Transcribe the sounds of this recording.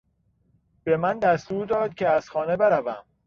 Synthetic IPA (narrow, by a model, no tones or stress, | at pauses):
b̥e̞mænd̪æst̪uːɾd̪ɒːd̪̥̚cʰʲeæz̥xɒːne̞beɾævæm